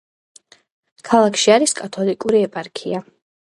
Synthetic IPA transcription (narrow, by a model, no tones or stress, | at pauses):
kʰalˠakʰʃiaɾiskʼat̪ʰɔlikʼuɾiɛpʼaɾkʰia